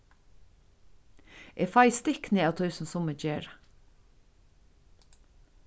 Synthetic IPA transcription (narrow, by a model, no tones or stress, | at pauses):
ʔɛfajst̪ɪknɪaːwt̪ʰɔjsʊmsʊmɪd͡ʒeːɹa